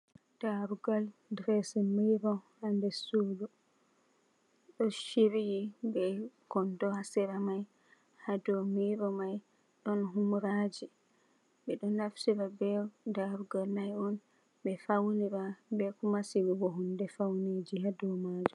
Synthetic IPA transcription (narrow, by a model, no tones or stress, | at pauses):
d̥aɾuɡaldɾɛsɛmiɾɔhandɛsulu | ɗɔʃiɾijibɛkɔntɔhasɛɾamaj | hadɔmiɾɔmaj | ɗɔnɦumɾad͡ʒi | bɛɗɔnːaftiɾabɛdaɾuɡalnajɔn | bɛfawniɾabɛkumasiwuɡɔɦundɛfawned͡ʒihadɔmaːd͡ʒu